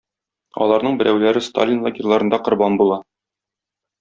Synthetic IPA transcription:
ɒ̰lˠɑɾnɤɴbɘ̆ɾʔæwlæɾɘst̪a̰lʲinlˠaɡʲɪrlˠɑɾɤ̆nd̪ɑqŏɾbɑnbulˠɑ

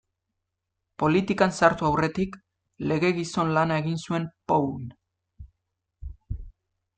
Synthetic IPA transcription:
po̞lit̪ikansaɾt̪uawre̞t̪ik | le̞ɣe̞ɣiso̞nlanae̞ɣinsue̞mpown

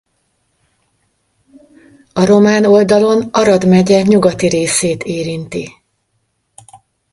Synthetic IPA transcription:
ɒɾo̞maːno̞ld̪ɒlo̞nɒɾɒd̪mɛɟɛɲuɡɒt̪iɾeːseːt̪ʰeːɾint̪i

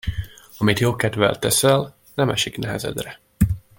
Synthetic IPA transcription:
ɒmit̪joːkɛd̪vɛ̰lt̪ɛsɛl | nɛmɛʃiknɛɦɛzɛ̰d̪rɛ

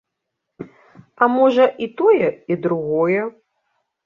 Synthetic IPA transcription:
ɐmɔʐɐʔit̪ɔjɛid̪ɾuɣɔjɛ

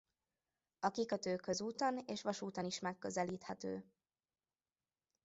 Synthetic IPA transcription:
ɒkikɒt̪øːkʰːø̞zuːt̪ɒneːʃʋɒʃuːt̪ɒniʃmɛkːø̞zɛliːt̪hɛt̪ø̰ː

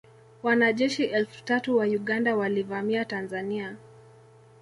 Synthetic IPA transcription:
wanaʄɛʃiʔɛlfu̥tatuwajuɠandawalivamiatanzania

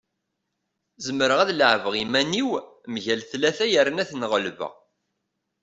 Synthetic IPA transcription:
zəməɾəʁæðləʕvəʁimæniwmʝælθlæθæjəɾənæθnʁəlvə̰

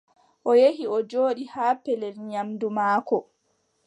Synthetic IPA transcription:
ʔɔjehiɔd͡ʒoːɗihaːpɛlɛlɲamdumaːkɔ

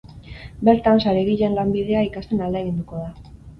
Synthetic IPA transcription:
be̞ɾt̪ansaɾeɣiʎenlambið̞e̞aikast̪e̞nald̪eɣind̪uko̞ða

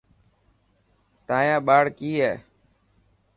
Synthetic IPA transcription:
t̪ãːjãːɓaːɽkiːɦɛː

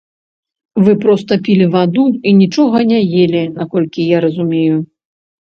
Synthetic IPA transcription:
vɨpɾɔst̪ɐpʲilʲivad̪uinʲit͡ʂɔɣɐnʲajelʲinakɔlʲkʲijaɾɐzumʲeju

